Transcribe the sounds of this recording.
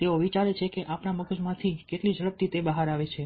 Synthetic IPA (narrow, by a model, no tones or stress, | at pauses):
t̪eoʋit͡ʃaɾet͡ʃʰekeʔapnaməɡd͡ʒmãt̪ʰikeʈlid͡ʒəɭəp̚t̪it̪ebəɦaɾaʋet͡ʃʰe